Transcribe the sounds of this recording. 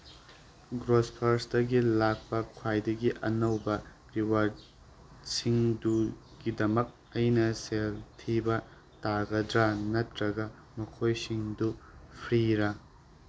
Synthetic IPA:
ɡɾospʰɐɾsdɐɡilak̚pɐkʰwajdɐɡiʔɐnɐwbɐ | ɾiwaɾd | siŋdu | ɡidɐmɐk̚ | ɐjnɐseltʰibɐ | taɡɐdɾanɐtʰɾɐɡɐ | mɐkʰojsiŋdupʰɾiɾɐ

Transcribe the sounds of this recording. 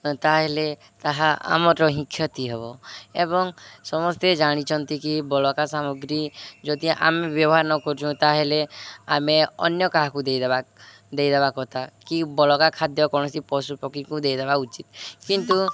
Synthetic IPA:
t̪aɦele | t̪aɦaʔa̰mɔɾɔɦĩkʰːjɔt̪iɦebɔebɔŋsɔmɔst̪ed͡ʒaɽ̃it͡ʃʰɔnt̪ikibɔlɔkasamɔɡɾid͡ʒɔd̪iʔa̰mebjɔbɔɦaɾnɔkɔɾt͡ʃʰũt̪aɦeleameɔ̰njɔkaɦakud̪ejd̪eba | d̪ejd̪ebakɔt̪ʰakibɔlɔkakʰad̪jɔkɔɽ̃ɔsipɔsupɔkʰikud̪ejd̪ebaut͡ʃit̪kint̪u

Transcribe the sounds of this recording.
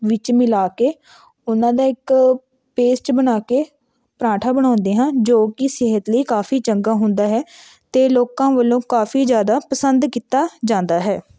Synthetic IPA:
ʋɪt͡ʃmɪlaːkeː | ʊnãːd̪aːɪk | peːsʈbənaːkeː | pɾãːʈʰaːbəɽ̃ãːnd̪eːɦãːd͡ʒoːkɪsɪɦət̪ləiːkaːfʰiːt͡ʃəŋɡaːɦʊ̃nd̪aːɦɛː | t̪eːloːkãːʋəlːõːkaːfiːd͡ʒjaːd̪aːpəsənd̪kiːt̪aːd͡ʒãːnd̪aːɦɛː

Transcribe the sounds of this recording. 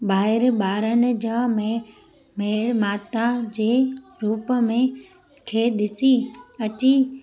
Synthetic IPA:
baːɦɪɾɓaːɾənɪ̆d͡ʑaːmẽ | meːɽmaːt̪ad͡ʑeːɾuːpəmẽ | kʰeːɗ̪ɪsiɐt͡ɕi

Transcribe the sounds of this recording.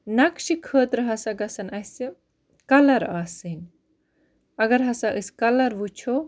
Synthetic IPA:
nɐkʃikʰəːt̪ɾɨɦɐsɐɡɐsɐnɐsi | kɐlɐɾaːsɨnʲ | ɐɡɐɾɦɐsaʔɨskɐlɐɾʋut͡ʃʰo

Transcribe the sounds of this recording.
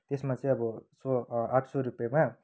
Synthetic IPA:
t̪esmat͡sʌ̃ĩʌbʌsoaʈʰsoɾupjama

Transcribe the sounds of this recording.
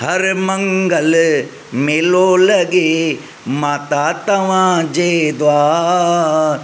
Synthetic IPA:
hɐɾmɐ̃ŋɡəl | meːlolɐɡe | maːt̪at̪ɐʋãːd͡ʒeːd̪ʊaː | ɾ

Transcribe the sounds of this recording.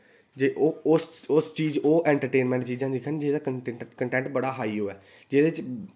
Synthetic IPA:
d͡ʒeːʔʊsʊst͡ʃiːd͡ʒoːʔɛ̃ːɳʈəɾʈeːnmɛ̃ːɳʈt͡ʃiːd͡ʒãːd̪iːkʰənd͡ʒeːd̪aːkəkəɳʈɛ̃ːɳʈbəɽaːɦaːiɦoːɛː | d͡ʒeːd̪eɪt͡ʃ

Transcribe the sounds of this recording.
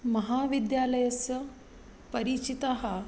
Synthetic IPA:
mɐɦaːʋid̪jaːlɐjɐsjɐ | pɐɾit͡ʃit̪aɦɐ

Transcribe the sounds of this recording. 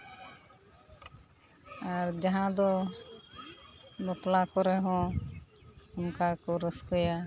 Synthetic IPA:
aɾd͡ʒaɦãd̪ɔ | bɔplakɔɾɛɦɔ̃ | ɔmkakɔɾəskɔja

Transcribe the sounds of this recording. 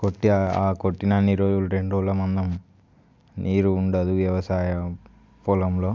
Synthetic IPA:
koʈːiaa̰ːkoʈːinaːniɾoːd͡ʒuluɾe̞ɳɖɾoːlɐmɐnd̪ɐm | nʔiːɾuːɳɖɐd̪uʋjɐʋɐsaːjɐ | pulɐmloː

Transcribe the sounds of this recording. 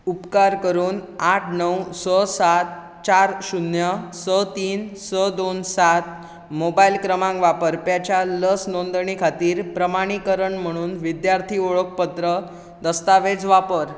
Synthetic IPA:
upkaɾkəɾuːnaʈʰnəwsəsat̪̚ | t͡ɕaɾɕunjəsət̪iːnsəd̪onsat̪ | mobailkɾəmãŋkʋapəɾpjat͡ɕjaləsnond̪ɳ̃ikʰat̪iːɾpɾəmaɽ̃ikəɾəɳm̤əɽ̃uːnʋid̪jaɾt̪ʰioɭək̚pət̪ɾə | d̪əst̪aʋed͡zʋapəɾ

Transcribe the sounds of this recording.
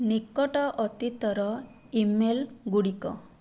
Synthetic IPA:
nikːɔʈɔʔɔt̪it̪ɔɾɔ | imelɡuɽikɔ̰

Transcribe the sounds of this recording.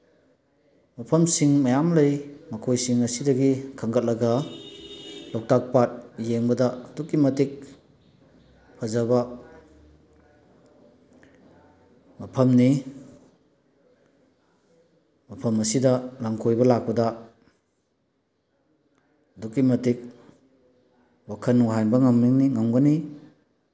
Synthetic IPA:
mɐpʰɐmsiŋmɐjamlɐjmɐkʰojsiŋɐsidɐɡikʰɐŋɡɐt̚lɐɡɐ | lowk̚tak̚pat̚jeŋbɐdɐdukːimɐtik̚ | pʰɐzabɐ | mapʰɐmni | mapʰɐmɐsidɐlaŋkʰojbɐlak̚pɐdɐ | dukːimɐtik̚ | wakʰɐnwaɦanbɐŋamniŋniŋaŋɡɐni

